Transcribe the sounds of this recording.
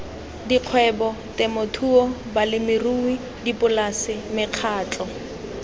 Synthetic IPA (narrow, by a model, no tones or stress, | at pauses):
diq͡χʰwɛbɔ | tɛmotʰuɔbalɪmɪrui | dipʼʊlasɪmɪq͡χʰaːt͡ɬʼɔ